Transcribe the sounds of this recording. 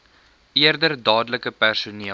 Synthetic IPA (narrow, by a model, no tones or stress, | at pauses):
ʔiərdərdɑːdləkəpærsuniə